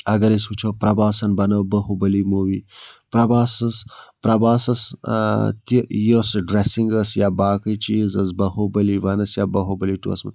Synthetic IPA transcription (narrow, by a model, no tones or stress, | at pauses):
ɐɡɐɾiswut͡ʃʰopɾɐbaːsɐnbɐnɐwbɐhubɐlimuwipɾɐbaːsɐspɾɐbaːsɐs | t̪ijosɖɾesiŋɡɐsjaːbaːkət͡ʃizɐs̬bɐhobɐliʋɐnɐsjaːbɐɦobɐliʈṵɐ̰smɐ̰